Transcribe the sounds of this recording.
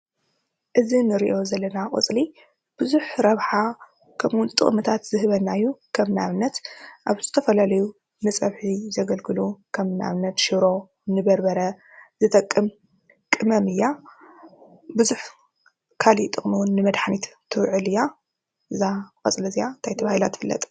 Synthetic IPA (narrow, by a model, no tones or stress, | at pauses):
ʔɨzinɨɾiʔo̞zɐlːɐnakʼɨ̰t͡sʼli | b̥ɨzuħɾɐβħa | kʰɐmʔʊnt̪ʼɨ̰χʼmɨt̪ʰat̪zɨɦɨβɐnːajːukʰɐmnaβɨnːɐt̪ʔaβzɨt̪ʰɐfɐlalɐju | nɨt͡sʼɐβħizɐɡɐlɡɨlukʰɐmna̰βnːɐt̪ʃɨɾo̞ | nɨbɐɾbɐɾɐ | z̥ɨt̪ʰʼɐkʼːɨm | kʼɨmɐmɨjːa | bɨzuħ | kʰalit̪ʼɨχʼmuwʊnːɨmɐd̪ħanit̪t̪ʰɨwʕɨlɨjːa | ʔɨzakʼɐt͡sʼlɐzijant̪ʰajt̪ʰɐβahilat̪ʰːɨfɨlːɐ̰t̪ʼ